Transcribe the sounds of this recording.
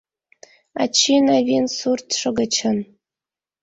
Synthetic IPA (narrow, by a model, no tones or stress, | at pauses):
a̰t͡ɕʰinavʲensurt̪ʂɤɡət͡ɕʰən